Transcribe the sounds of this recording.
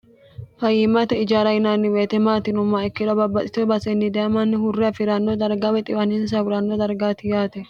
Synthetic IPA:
fɐjɪmɐt̪ɛɪd͡ʒaːɾɐɪnanːɪweːt̪ɛmaːt̪ɪnʊmːaɛkːɪᶑ̪ɔbɐbːɐt̪ʼɪt̪ɔbɐsɛnːɪd̪ɛɐmɐnːɪhʊrːɪɐfɪɾɐnːɔd̪ɐɾɡɐwɛt̪ʼɪwɐnɪns̬ɐwʊɾɐnːɔd̪ɐɾɡaːt̪ɪjaːt̪ɛ

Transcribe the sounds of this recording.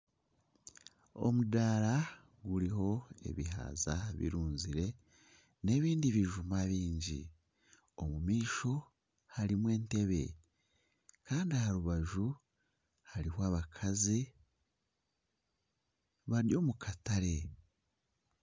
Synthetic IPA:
o̞̰mudaːɾa | ɡuɾiɦo̞e̞̰βḭɦa̰ːzaβḭɾuːnziɾe̞ | ne̞βiːndiβiʒumaβiːɲɟḭ | o̞mumiːʃo̞ | haɾimwe̞ːnte̞βe̞̰ | kaːndiahaɾuβaʒu | haɾihoaβakʰazi | βaɾjo̞mukʰataɾe̞

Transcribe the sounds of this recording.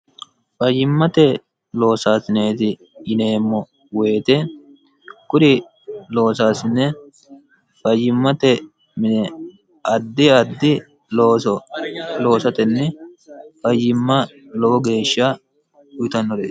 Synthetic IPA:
fɐjːɪmːɐt̪ɛ | lo̞ːsaːsɪneːt̪ɪ | ɪne̞ːmːɔ | we̞ːt̪ɛ | kʊɾɪ | lo̞ːsaːsɪnːɛ | fɐjːɪmːɐt̪ɛ | mɪnɛ | ɐd̪ːɪɐd̪ːɪ | oːsɔlo̞ːsɐt̪ɛnːɛfɐjːɪmːɐlɔwɔɡe̞ːʃːɐ | ʊjɪt̪ɐnːɔɾeː

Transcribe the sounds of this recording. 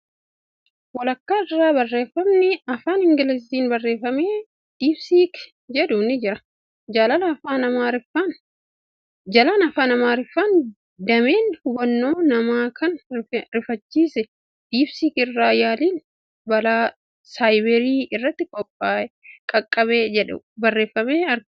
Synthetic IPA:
wɔlɐkːaːɪrːaːbɐrːeːfɐmnɪɐfaːnhɪŋɡɪlɛsiːnbɐrːe̞ːfɐmeː | d̪̥iːbsiːk | d͡ʒɛd̪ʊnɪd͡ʒɪɾɐ | d͡ʒɐlanɐfaːnɐmaːɾɪfɐn | d͡ʒɐlaːnɐfaːnɐmaːɾɪfɐn | d̪ɐmeːnhʊbɐnːo̞ːnɐmaːkʰɐnɾɪfɐt͡ʃːiːsɛ | d̪̥iːbsiːkɪrːaːjaːliːn | bɐlaː | saːjbɛɾiːɪrːɐt̪ːɪkʼɔpʼːaːkʼɐkʼːɐβeːd͡ʒɛᶑɛ̰ | bɐrːe̞ːfːɐmeːɐɾ

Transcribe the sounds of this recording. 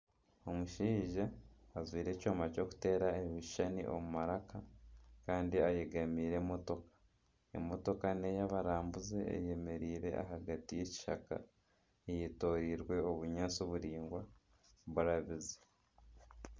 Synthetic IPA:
o̞muʃiːʒaːzwiːɾe̞coːmaco̞ku̥te̞ːɾaeβiʃanḭʔo̞̰mumaɾakakaːndiajeɡamiːɾe̞mo̞to̞kḁ | ḛmo̞to̞kane̞jaβaɾaːmbuze̞ḛje̞me̞ɾiːɾe̞̰ʔa̰ɦaɡatije̞ci̥ʃa̰ka̰ | ejeto̞ːɾiɾwe̞o̞βuɲaːt͡soβuɾiːŋɡwa | βuɾaβize̥

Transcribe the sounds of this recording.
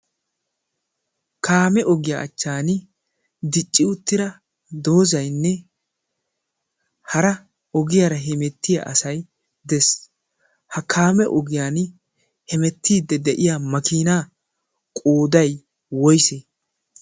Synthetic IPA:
kaːmɛʔɔɡɪjaʔɐ̰t͡ʃːaːn | d̪ɪt͡ʃʼːɪʊt̪ːɪɾɐ | d̪o̞ːzɐjnːɛ | hɐɾɐ | ɔɡɪjaːɾɐɦɛmɛt̪ːɪja̰ʔɐsɐj | d̪ɛs | hɐkʰaːmɛʔɔɡɪjaːn | hɛmɛt̪ːiːd̪ːɛd̪ɛʔɪjaːmɐkiːnaː | kʼoːd̪ɐj | wɔjseː

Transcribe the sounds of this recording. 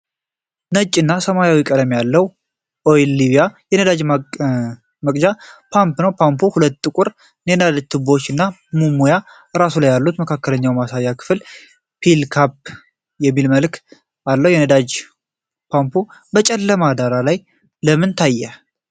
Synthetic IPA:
nət͡ʃʼːɨnːasəmajawikʼəd̪mjalːəhwu | ʔoilːiβijajɛnəd̪ad͡ʒ | məkʼd͡ʒapʰampnəwpʰampʰuhulət̪ːʼɨkʼʊɾ | nenad̪ad͡ʒt̪ʰɨbo̞t͡ʃːɨnːamumuja | ɨɾasulajːalːut̪məkʰakːələɲːawjɛmasajːakʰɨ̥fl | pʰilkʰap̚ | jɛmːilməlk | alːəwjɛnəd̪ad͡ʒ | pʰampʰubət͡ʃʼɛlːəmad̪aɾalaj | ləmɨnt̪ʰajːɛ

